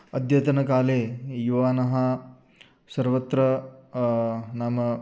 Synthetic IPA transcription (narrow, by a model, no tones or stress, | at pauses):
ɐd̪ʱjɐt̪ɐnɐkaːleːjuʋaːnɐɦɐ | sɐɾʋɐt̪ɾɐ | naːmɐ